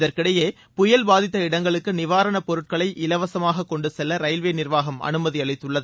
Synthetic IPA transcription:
ðɐɾkɪɽɐjeː | pʊjɐlbaːðɪt̪ːɐɪɽɐŋɡɐɭɯkːɯnɪʋaːɾɐɳɐpɔɾɯʈ̚kɐɭɐɪʔɪlɐʋɐsɐmaːɣɐkːɔɳɖɯsɛlːɐɾɐɪlʋeːnɪrʋaːɣɐmɐ̰nɯmɐðiɐɭɪt̪ːɯɭːɐðɯ

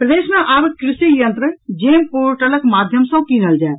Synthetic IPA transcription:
pɾəd̪eːʃənaʔaːɾkɾɪsijə̃nt̪ɾəd͡ʒeːmpoːɾʈələkmaːd̪ʱjəmsə̃kiːnəld͡ʒaːe

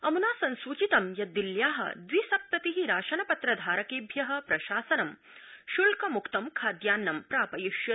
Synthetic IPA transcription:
ɐmunaːsɐnsʋuːt͡ʃit̪ɐmjɐd̪iljaːɦɐ̰d̪ʋisɐk̚tɐt̪iɦiɾaːʃɐnɐpɐt̪ɾɐd̪ʱaːɾɐkeːbʱjɐɦɐ̆pɾɐʃaːsɐnɐm | ʃulkɐmukt̪ɐmkʰaːd̪jaːnːɐmpɾaːpɐjiʃjɐ

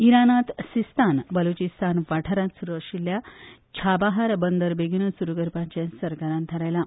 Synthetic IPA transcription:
iɾanat̪sist̪ʰanbəlot͡ɕist̪ʰanʋaʈʰəɾãt̪suɾuʋəɾɕilːjat͡ɕʰabaɦaɾbənd̪əɾbeɡinəsuɾukəɾpãɲt͡ɕãsəɾkaɾãnt̪ʰəɾajla

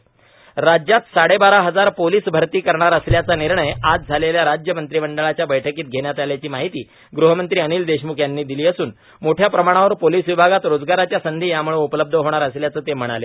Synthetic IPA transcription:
ɾad͡ʑjat̪saɽebaɾaɦəd͡zaɾpoliːsbʱəɾt̪iːkəɾɳaɾəsljat͡saniɾɳəjad͡zd͡zʱaleljaɾad͡ʑjəmənt̪ɾibəɳɖəɭat͡ɕjabəjʈʰəkiːt̪̚ɡʱeɳjat̪aljat͡ɕiːmaɦit̪iː | ɡɾuɦəmənt̪ɾiːəniːld̪eɕmukʰjanːiːd̪iliːəsuːn | moʈʰjapɾəmaɽ̃aʋəɾpoliːsʋibʱaɡat̪ɾod͡zɡaɾat͡ɕjasənd̪ʱiːjamuɭeupələb̚d̪ʱəɦoɽ̃aɾəsljat͡səːt̪em̤əɽ̃ale

